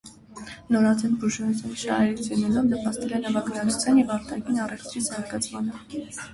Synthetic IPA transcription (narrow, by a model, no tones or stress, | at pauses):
nɔɾɑd͡zɛnbuʒɛt͡sʰɛnʃɑ̰hɛɾit͡sʰjunɛlɔvnəpɑst̪ɛlɛnɑvɑɡnɑt͡sʰut͡sʰjɑnjɛvɑɾt̪ʰɑɡinɑrɛft̪ɾizɑɾɡɑt͡sʰmɑnə